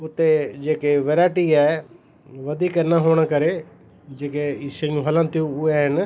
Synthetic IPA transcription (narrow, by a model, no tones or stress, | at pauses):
ʊt̪ːeːd͡ʒeːkeːʋeɾaːʈiːɛː | ʋəd̪iːkənãːɦoːɳ̃aːkəɾeː | d͡ʒeːkeːɪsɪŋɦələ̃nt̪iũʊɛːɦɪn